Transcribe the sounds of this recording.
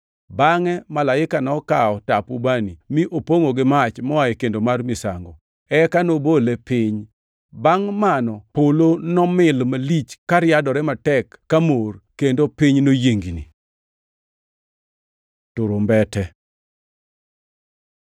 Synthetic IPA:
baŋɛmalaɪkanɔkaɔtapubanimiʔopoŋoɡɪmat͡ʃmɔaikendomarmɪsa̰ŋɡo | ɛkanobolɛpɪɲ | baŋmanɔpolonɔmɪlmalit͡ʃkaɾjadɔɾɛmatɛkːamorkendopiɲnojeŋɡinḭ | tʊɾombɛtɛ

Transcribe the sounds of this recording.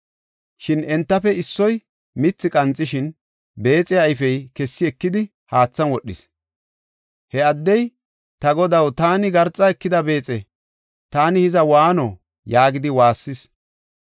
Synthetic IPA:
ʃɪnɛnt̪ːɐfɛɪsːɔj | mɪt͡sːɪkʼɐnt͡sʼːɪʃɪn | be̞ːt͡sʼɛɐjfɛjkɛsːɪɛkːɪd̪ɪ | haːt͡sːɐnwɔɗːɪ̰s | hɛɐd̪ːɛj | t̪ɐɡɔd̪ɐwt̪aːnɪɡɐɾt͡sʼːɐɛkːɪd̪ɐbe̞ːt͡sʼɛ | t̪aːnɪhɪzɐwaːno | jaːɡɪd̪ɪwaːsːɪs

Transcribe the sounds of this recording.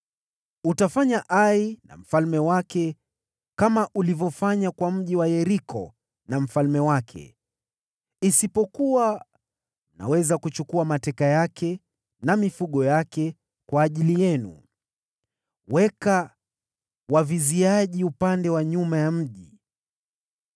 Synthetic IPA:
utafaɲaʔaina̰m̩falmɛwakɛ | kamaʔulivɔfaɲakwam̩ʄiwajɛɾikʰɔ | nam̩falmɛwakʰɛ̰ | isipɔkuwa | na̰wɛzakut͡ʃukuamatɛkajakʰɛ | namifuɠɔjakɛ | kwaːʄilijɛnṵ | wɛka | waviziaʄiupandɛwaɲumajam̩ʄi

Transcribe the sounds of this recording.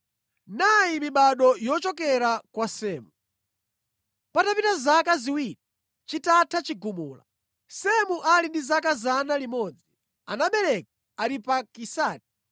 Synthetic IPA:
najimiɓaɗɔjɔt͡ʃɔkɛɾakwasɛːmu | patapitazakaziwiːɾi | t͡ʃitatʰat͡ʃiɡumuːla̰ | sɛmuʔalindizakazanalimɔd͡zi | anaɓɛɾɛka | aɾipakisaːt̚i̥

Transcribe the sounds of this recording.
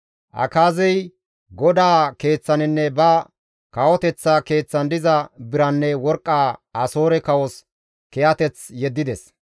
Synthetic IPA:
ʔɐ̰kaːzɛj | ɡɔd̪aːke̞ːt͡sːɐnɪnːɛbɐ | kɐwɔt̪ɛt͡sːɐke̞ːt͡sːɐnd̪ɪzɐbɪɾɐnːɛwɔɾkʼːaːʔɐso̞ːɾɛkɐwɔs | kɛʔɐt̪ɛt͡sjɛd̪ːɪd̪ɛs

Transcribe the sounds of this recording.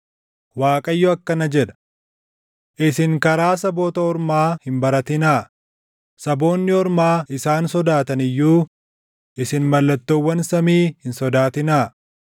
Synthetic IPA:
waːkʼɐjːɔɐkːɐnɐd͡ʒɛᶑ̪ɐ̥ | ʔɪsɪŋkɐɾaːs̬ɐbo̞ːt̪ɐɔɾmaːhɪmbɐɾɐt̪ɪnaː | sɐbo̞ːnːɪɔɾmaːɪsaːnsɔd̪aːt̪ɐnɪjːuː | ʔɪsɪnmɐlːɐt̪ːowːɐnsɐmiːhɪnsɔd̪aːt̪ɪnaː

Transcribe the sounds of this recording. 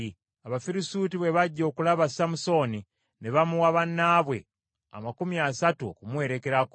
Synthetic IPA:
aβafiɾisuːtiβwe̞βaɟːo̞ːkulaβasamuso̞ni | neβamuwaβanːaːβwe̞ | a̰makumiasatuo̰kumwe̞ːɾe̞ke̞ɾako

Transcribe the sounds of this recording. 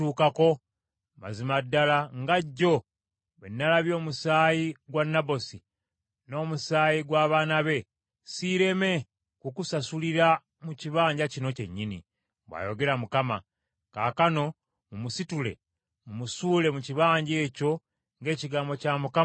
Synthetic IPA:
uːkako̞ | ma̰zimadːalaŋɡaɟːo̞ | βenːalaβjo̞ːmusaːjiɡwanːabo̞si | no̞ːmusaːjiɡwaːβaːnaβe̞ | siɾe̞me̞ | kukusasuliɾa | muciβaːɲɟacino̞ce̞̰ɲːinḭ | bwa̰ːjo̞ɡe̞ɾamukama̰ | ka̰ːkano̞ | mumusitule̞̰ | mumusuːle̞muciβaːɲɟe̞ːco̞ | ŋɡe̞ːciɡaːmbo̞camuka

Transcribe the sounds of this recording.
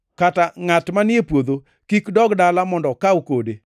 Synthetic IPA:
kataŋatmanɪepwoðo | kikdɔɡdalamɔndɔkaukode

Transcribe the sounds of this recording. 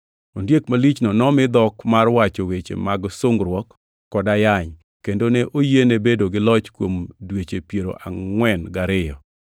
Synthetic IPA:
ondjekmalit͡ʃnɔnɔmɪd̪ɔkmarwat͡ʃowet͡ʃḛmaɡsoŋɡɾwɔkː | ɔdajaɲ | kendoneʔojenebedoɡɪlɔt͡ʃkwomdwet͡ʃepjeɾo̰ʔa̰ŋwɛnɡaɾɪjɔ̰

